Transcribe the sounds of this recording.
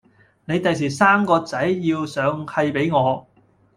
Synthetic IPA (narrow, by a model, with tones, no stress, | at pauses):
ne˨˧jt̪ɐ˨js̬iː˨˩saː˥mkɔː˧t͡sɐ˨˥jːiː˧wsœː˨˧ŋhɐ˧jpe˨˥jŋɔː˨˧